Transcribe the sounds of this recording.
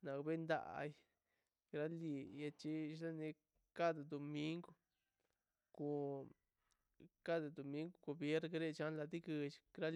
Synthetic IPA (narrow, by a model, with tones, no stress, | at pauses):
nã˨˧kβe˦nd̪a̰˧˨ʔa̰˧i˧ | ɾa˦li˧˨ja˧t͡ʃi˦˧ʃla˦nĩ˧ | ka˦t̪ɨ˧d̪o˧mĩ˦ŋɡo˧ | ku˧ | ka˦t̪ɨ˧d̪o˧mĩ˦ŋɡu˧ku˧βje˦ɾkɾe˦˧t͡ʃa˦la˧t̪i˦kɨ˧t͡ʃi̥˧kɾa˦l